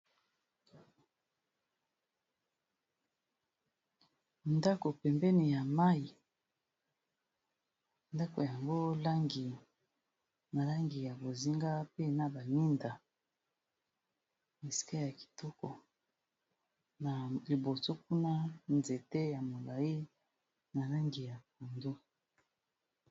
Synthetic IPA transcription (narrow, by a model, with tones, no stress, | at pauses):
nda˦ko˨pɛ˨mbɛ˦ni˨ja˨ma˦i˨ | nda˦ko˨ja˨ŋɡo˦la˦ŋɡi˨ | ma˨la˦ŋɡi˨ja˨bo˨zi˦ŋɡa˦pe˦na˨ba˨ni˦nda˨ | ne˨si̥˦ka˦ja˨ki̥˨tɔ˦kɔ˨ | na˨li˨bo˨so˦k̚u˦na˦nze˨te˦ja˨mo˨la˨ji˦ | na˨la˦ŋɡi˨ja˨ka˨ndo˦